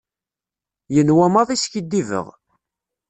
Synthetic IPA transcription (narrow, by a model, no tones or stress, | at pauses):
jənwæmɑðˤisçid̪ːivə̰ʁ